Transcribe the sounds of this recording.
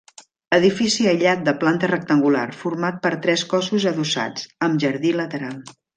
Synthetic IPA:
əðifisiəjʎat̪̚d̪əplant̪ərək̚t̪əŋɡula̰rfuɾmat̪̚pəɾt̪ɾɛskɔsuzəðusa̰d͡zəmʒəɾðilət̪əɾalˠ

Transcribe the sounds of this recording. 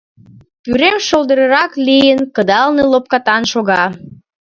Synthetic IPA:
pyɾemʃold̪əɾəɾɑklijənkəd̪ɑlnelop̚kɑt̪ɑnʃoɣɑ

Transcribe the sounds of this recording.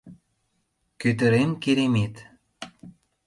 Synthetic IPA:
køt̪̬ə̆ɾemkeɾemet̪

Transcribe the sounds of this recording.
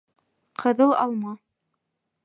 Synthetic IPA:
qʰɤ̆ðɤlˠɑlˠmɑ

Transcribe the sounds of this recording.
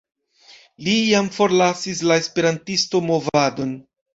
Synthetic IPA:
lijamfo̞ɾlasislae̞spe̞ɾantisto̞mo̞vado̞n

